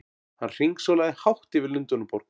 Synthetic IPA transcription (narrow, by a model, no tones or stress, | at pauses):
hanr̥iŋksɔlajðɪhawht̪ɪvɪɾlʏnt̪ʏnʏpɔɾ̥k